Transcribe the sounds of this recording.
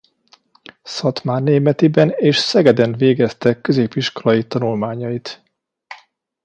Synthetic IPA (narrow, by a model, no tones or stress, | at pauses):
sɒt̪maːnːeːmɛt̪ibɛneːʃsɛɡɛd̪ɛnveːɡɛst̪ɛkːø̞zeːpiʃko̞lɒjit̪ɒnulmaːɲɒjit̪